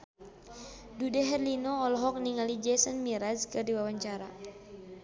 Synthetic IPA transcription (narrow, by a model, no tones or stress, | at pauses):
dudɛɦɛrlinɔɔlɔɦɔk̚niŋalid͡ʒɛsənmiɾazkɨrdiwawaɲt͡ʃaɾa̰